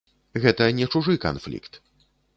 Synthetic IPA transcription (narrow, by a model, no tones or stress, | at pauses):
ɣɛt̪ɐnʲɛt͡ʂuʐɨka̰nflʲḭkt̪